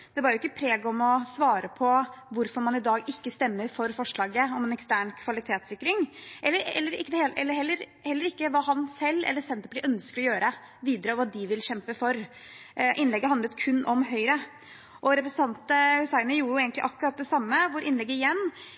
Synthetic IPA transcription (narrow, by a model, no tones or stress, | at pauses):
d̪̥ɛbɑɾjʊɪkːəpʰɾeːɡɔmɔsʋɑːɾəpʰɔʋʊɾfɔɾmɑnɪd̪ɑːɡɪkːəst̪ɛmːəɾfɔɾfɔʂɭɑːɡəɔmɛːnɛkst̪æːɳkʰʋɑlɪt̪ʰeːt̪sɪkːɾɪŋʔɛlːəɾɛ̰lːəɾɪ̰kːəd̪ɛeːɛ̰lːəɾɦɛlːəɾhɛlːəɾɪkːəʋɑːɦɑnsɛlːɛ̰lːəsɛnt̪əplɪʔœnskəɾɔjøːɾə | ʋiːd̪əɾəʋɑːd̪ɪʋɪlɕɛmpəfɔɾ | ʔɪnlɛɡːəɦɑnd̪ət̪kʰʉnːʔɔmɦœʏɾə | ʔɔɾɛpɾsn̩t̪ɑnt̪əhʉsæɪənəjuːjʊeːɡənt̪lɪʔɑkːʉɾɑt̪̚d̪ɛsɑmːəʋʊɾʔɪnlɛɡːəɪjɛnː